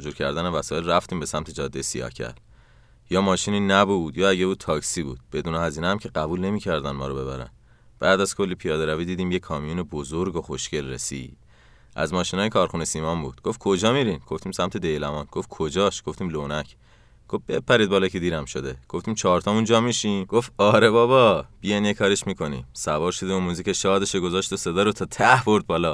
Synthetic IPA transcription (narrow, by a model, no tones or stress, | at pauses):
d͡ʒuːɾcʰæɾd̪ænevæsɒːe̞lræft̪iːmbe̞sæmt̪ʰe̞d͡ʒɒːd̪ejsijɒ̰ːhcʰæ̰l | jɒːmɒːʃiːniːnæbud̪jɒːæɟebuːt̪̚t̪ʰɒːcsiːbṵːd̪̥̚b̥e̞d̪uːnehæziːnehæmcʰe̞ɢæbuːlne̞miːcʰæɾd̪ænmɒːɾobe̞βæ̰ɾæ̰n | b̥æːd̪æzkʰo̞lːipʰijɒːd̪eɾæviːd̪iːd̪iːmjekʰːɒːmijuːnebozoɾɡoxoʃce̞lrḛsḭːd̪̥ | ʔæ̰zmɒːʃinɒːjekʰɒːɾxunesiːmɒmbṵːd̪̥ɡ̥o̞ft̚kʰo̞d͡ʒɒːmiɾinɡ̥o̞ft̪iːmsæmt̪ʰe̞d̪ejlæmɒːnɡ̥o̞ftkʰod͡ʒɒːʃɡ̥o̞ft̪ʰiːmlonæcʰ | ɡ̥ofb̥e̞pʰːæɾid̪bɒːlɒkʰed̪iːɾæmʃo̞d̪e̞ɡ̥oft̪iːmt͡ʃʰɒːɾt̪ʰɒːmund͡ʒɒːmiːʃiːnɡ̥ofɒːɾe̞bɒːβɒb̥ijenjekʰɒːɾeʃmiːkʰo̞nḭːmsævɒːɾʃod̪eomuːziceʃɒːd̪e̞ʃoɡozɒːʃt̪osed̪ɒːɾot̪ʰɒːt̪ʰæhbo̞ɾd̪̚bɒːlɒ